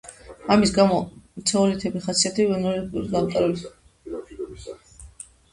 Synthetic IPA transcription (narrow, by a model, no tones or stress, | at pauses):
amisɡamɔmt̪sʰɛulit̪ʰɛbiχat̪siat̪ʰɛiɛnɔluɡaqʼaɾɛl